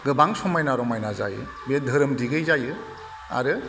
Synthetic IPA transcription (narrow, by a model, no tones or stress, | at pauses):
ɡɯbaŋsɔmajnaɾɔmajnaza̰jɯ̰ | bedʱɯɾɯmdiɡɯjzajɯ | a̰ɾɯ